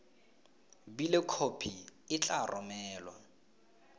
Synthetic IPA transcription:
bilɪkʰopʰiɪt͡ɬʼarʔɔmɛːlwa̰

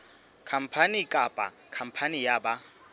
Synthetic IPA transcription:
kʰam̩pʰanɪkʼapʼa̰ | kʰam̩pʰanɪjaba

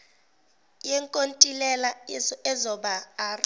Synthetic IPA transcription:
jɛŋkʼontʼilɛlaɛzɔɓaːr

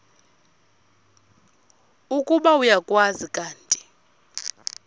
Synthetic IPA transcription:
ukʼuɓaujakʼwazikʼaːntʼi̥

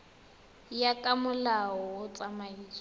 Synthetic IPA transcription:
jakʼamʊlaɔwʊt͡sʼamaiːt͡sɔ

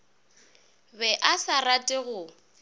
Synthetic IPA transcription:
bɛʔasaratʼɪɣʊ

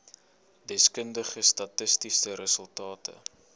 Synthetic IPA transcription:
dɛskəndəχəstɐtəstisəɾəsəlˠtɑːtə̰

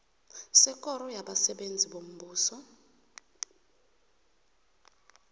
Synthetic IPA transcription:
sɛkɔɾɔjaɓasɛɓend͡zʱiɓom̩buːsɔ

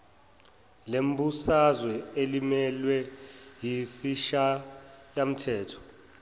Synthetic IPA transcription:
lem̩busazwɛelimɛlwɛjisiʃajam̩tʰɛːtʰɔ̥

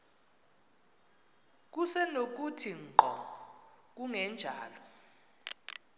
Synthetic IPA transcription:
k̬usɛnok̬utʰiŋ͡ǃɔ | k̬uŋɛnd͡ʒʱaːlɔ

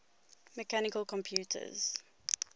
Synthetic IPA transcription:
mɛkanɪkəlkɔ̃mpʰjuːtʰə̰z̥

